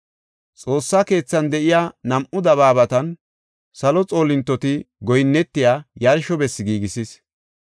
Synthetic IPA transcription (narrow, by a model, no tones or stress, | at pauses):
t͡sʼo̞ːsːake̞ːt͡sːɐnd̪ɛʔɪjaːnɐmʔʊd̪ɐβaːbɐt̪ɐn | sɐlɔt͡sʼo̞ːlɪnt̪ːɔt̪ɪɡɔjnːɛt̪ːɪjaːjɐɾʃɔbɛsːɪɡiːɡɪsɪs